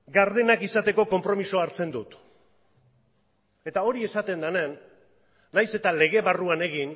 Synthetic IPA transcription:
ɡaɾðe̞nakisat̪e̞ko̞ko̞mpɾo̞miso̞aɾt͡se̞nd̪ut̪ | e̞t̪ao̞ɾie̞sat̪e̞nd̪anenː | ajse̞t̪ale̞ɣe̞βaruane̞ɣ̞in

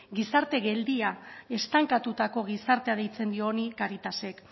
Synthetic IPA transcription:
ɡisaɾt̪e̞ɣe̞ld̪iae̞st̪aŋkat̪ut̪ako̞ɣ̞isaɾt̪e̞aðejt͡se̞nd̪io̞nikaɾit̪ase̞k

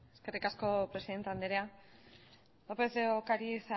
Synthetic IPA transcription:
eske̞rikasko̞pɾe̞siðe̞nt̪eand̪eɾea | lopeθðeokaɾisa

